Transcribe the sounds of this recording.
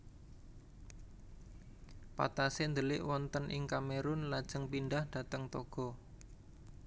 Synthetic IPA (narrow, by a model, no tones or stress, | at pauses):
pa̰t̪asend̪əlɪʔwɔnt̪ənʔɪŋkameɾʊnlad̥ʒ̥əŋpinɖahɖ̥ä̤t̪əŋt̪ɔɡ̥ɔ̤